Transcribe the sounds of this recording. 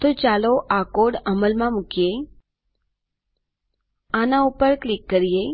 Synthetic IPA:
t̪ot͡ʃaloʔakoɽəməlmãmukije | anaupəɾklikːəɾije

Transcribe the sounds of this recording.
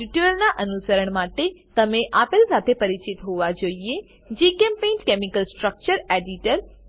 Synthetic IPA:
iʈuɾəɾnaʔɐnusəɾəɽ̃maːʈet̪ɐmẽʔaːpɪlsaːt̪ʰepɐɾɪt͡ɕɪt̪ɦoʋad͡ʒoie | d͡ʑiːkẽːmpẽːnʈkeːmɪkəlsʈɾək̚t͡ɕəɾeːɖiʈəɾ

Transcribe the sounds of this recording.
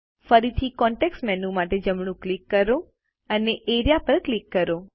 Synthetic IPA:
fəɾit̪ʰikɔ̃ɳʈeksʈmɛnũmaʈed͡ʒəmɳ̃ũklikːəɾo | əneʔeɾijapəɾklikːəɾo

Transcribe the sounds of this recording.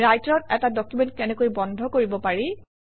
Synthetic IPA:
ɹajtɹɔt̚ɛtadɔkjumɛntkɛnɛkojbɔndʱɔkoɹibɔpaɹi

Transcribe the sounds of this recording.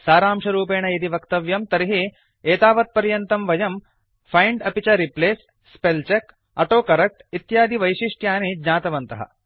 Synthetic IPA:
saːɾaːmʂɐɾuːpeːɳɐjɐd̪iʋɐkt̪ɐʋjɐmt̪ɐɾiɦi | eːt̪aːʋɐt̪̚pɐɾjɐnt̪ɐmʋɐjɐm | fʰɐjɳɖɐpit͡ʃɐɾipleːsː | pelt͡ʃek | ɐʈoːkɐɾɐk̚ʈit̪jaːd̪iʋɐjʃiʂʈjaːneːd͡ʒɲaːt̪ɐʋɐnt̪ɐɦɐ̰

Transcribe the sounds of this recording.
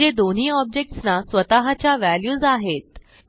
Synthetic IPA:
ed̪on̤iːɔb̚d͡ʑek̚ʈsnasʋət̪aɦat͡ɕjaʋæljuːzaɦet̪

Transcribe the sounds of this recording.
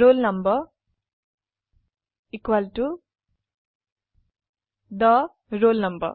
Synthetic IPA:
ɾoːlnɐmbɐ | ikʋalʈu | d̪ɐ | ɾoːlnɐmbɐ̰

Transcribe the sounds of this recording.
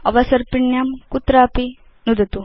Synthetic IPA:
ɐʋɐsɐɾpiɳjamkut̪ːɾaːpi | nud̪ʱɐt̪u

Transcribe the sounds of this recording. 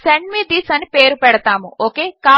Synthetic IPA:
sɛɳɖmid̪isənpeɾupɛɽt̪amũʔokeka

